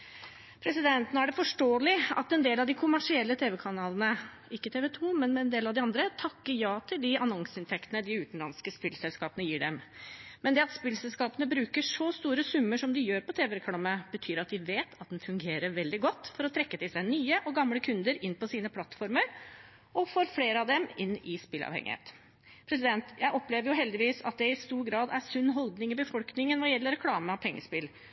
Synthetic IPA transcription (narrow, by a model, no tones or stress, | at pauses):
pʰɾɛsɪd̪ɛnt̪ənəæɖɛfɔʂʈoːlɪʔɑ̰t̪ɛnd̪eːlɑʋd̪ɪkʰʊmæʂɪɛlːət̪ʰeːʋɛkʰɑnɑːlənə | ɪkːət̪ʰeːʋɛt̪ʰuːmɛnɛnd̪eːlɑʋd̪ɪɑnd̪ɾət̪ʰɑkːəɾjɑːt̪ʰɪld̪ɪɑnɔŋsəɪnt̪ʰɛkt̪ənəd̪ɪʉːt̪nlɑnskəspɪlsɛlskɑːpənəjiːɖɛmmɛnd̪ɛɑt̪spɪlsɛlskɑːpənəbɾʉːkəʂɔst̪uːɾəsʉmːəʂɔmd̪ɪjøːɾpɔt̪ʰeːʋɛkʰɽɑməb̥ət̪ʰyːɾɑt̪̚d̪ɪʋeːt̪ʰɑt̪̚d̪ɛnfʉŋɡeːɾəɾʋɛld̪ɪɡɔt̪ːfɔɾɔt̪ʰɾɛkːət̪ɪlsæɪnyːəʔɔɡɑmləkʰʉnd̪əɾɪnːpɔsiːnəpʰlɑt̪fɔɾməɾ | ʔɔfoːɾfleːɾəɑʋd̪ɛmɪnːɪspɪlɑ̰ʋhɛ̰ŋɪ̰hḛːt̪ | pʰɾɛs̬ɪd̪ɛnt̪jæɪʔɔpːleːʋəɾjʊɦɛld̪ɪʋiːsɑ̰t̪̚d̪ɛɪst̪uːɾɡɾɑːd̪æsʉnːɦɔld̪nɪŋɪbəfɔlknɪŋənʋɑjɛlːəɾɛkʰlɑːməɑʋpʰɛŋːə̰spɪl